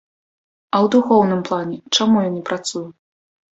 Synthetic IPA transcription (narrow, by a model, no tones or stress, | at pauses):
ɐwd̪uxɔwnɨmplˠanʲɛt͡ʂamujanʲɛpɾat̪suju